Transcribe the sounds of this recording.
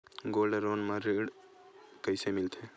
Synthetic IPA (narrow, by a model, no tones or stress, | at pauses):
ɡoləɾonməɾiɽ | kəɪsemilt̪ʰe